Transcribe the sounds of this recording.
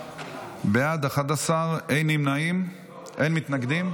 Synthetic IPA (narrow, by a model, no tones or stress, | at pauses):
bejad̪aχat̪asaʁejnimnaim | ʔejnmit̪naɡd̪im